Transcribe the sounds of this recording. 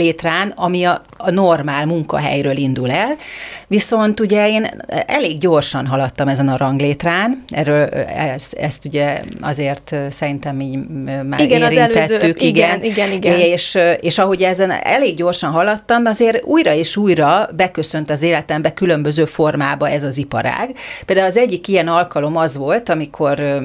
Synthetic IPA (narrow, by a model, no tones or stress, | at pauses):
leːt̪raːnɒmiɒ | no̞rmaːlmuŋkɒ̰ɦɛ̰jrøːlind̪ulɛlʋiso̞nt̪uɟɛeːnɛleːɡɟo̞rʃɒnɦɒlɒt̪ːɒmɛzɛnɒɾɒŋɡleːt̪raːnɛ̰røːlɛsɛ̰st̪uɟɛɒ̰zeːrt̪sɛɾint̪ɛmiːɟma̰ːiɡɛeːɾiɛlːɛt̪ːykiɡɛniɛniɡeːʃeːʃɒɦo̞ɟɛzɛnɛ̰leːɡɟo̞rʃɒnɦɒlɒt̪ːɒmɒzeːɾuːjɾɒeːʃuːjrɒbɛkø̞sønt̪ɒzeːlɛt̪ɛmbɛkylø̞mbø̞zøːfo̞rmaːbɒɛzɒzipɒ̰ɾa̰ːɡ̥peːld̪aːulɒzɛɟːikijɛnɒlkɒlo̞mɒzʋo̞lt̪ɒmikʰo̞r